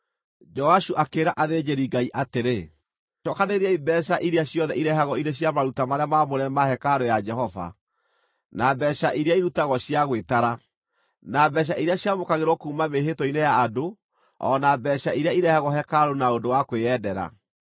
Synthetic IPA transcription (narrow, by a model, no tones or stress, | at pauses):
d͡ʒɔaʃuʔakeːɾaʔaðed͡ʑeɾiɡaiʔateɾe | ɔkaneɾeaibɛɕ̬aʔiɾeaɕjɔðɛʔiɾɛɦaɣɔineɕjamaɾutamaɾeamamoɾɛmahɛkaɾojad͡ʒɛhɔva̰ | nabɛɕaʔiɾeaiɾutaɣɔɕijaɣwetaɾa | nabɛɕ̬aʔiɾeaɕjamokaɣeɾɔkuːmameɦetɔinejaːdo | ɔ̰ːnabɛɕaiɾeaiɾɛhaɣɔɦɛkaɾonaodowakweɛdɛɾa̰